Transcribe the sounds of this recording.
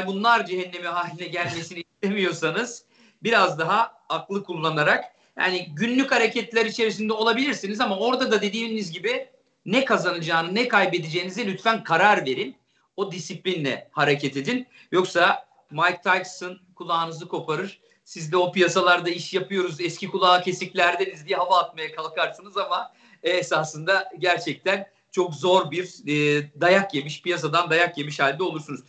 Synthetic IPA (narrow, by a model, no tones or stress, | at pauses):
bunlˠaɾd͡ʒiɦɛnːe̞miɦaːlʲinɛɟælʲme̞siniːst̪e̞mijo̞ɾsanɯz̥ | biɾazd̪aɦaː | klˠɯkʰulˠːanaɾak | ja̰ːniɟynlʲychaɾecʰɛt̪lʲæɾit͡ʃʰe̞ɾis̬ind̪ɛo̞lˠabilʲiɾsinizamao̞ɾd̪ad̪ad̪e̞d̪iːnizɟibɪ | nɛkʰazanɯd͡ʒaːnɯnɛkʰajbed̪id͡ʒejinizɛlʲyt̪fænkʰaɾaɾve̞ɾin | o̞d̪isiplʲinlʲɛ̰haɾecʰɛt̪ʰe̞d̪in | jo̞ksa | majk̚t̪ʰajksɯnkʰulˠaːnɯzɯkʰo̞pʰaɾɯɾ̥ | sizd̪ɛo̞pijasalˠaɾd̪aiʃjapɯjo̞ɾuzɛscʰikulˠaːcʰe̞siclʲæɾd̪enizd̪ijɛɦavaːt̪̚majakʰalˠkʰaɾsɯnɯzama | esasɯnd̪aɟæɾt͡ʃʰɛc̚t̪ʰæn | t͡ʃʰo̞kzo̞ɾbiɾːd̪ajakje̞miʃpijas̬ad̪and̪ajakje̞miʃhalʲd̪ɛo̞lˠuɾsunuz̥